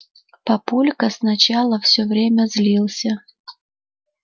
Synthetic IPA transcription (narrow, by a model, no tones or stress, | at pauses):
pɐpulʲkəsnɐt͡ɕalˠəfsʲovɾʲemʲəzlʲilˠsʲə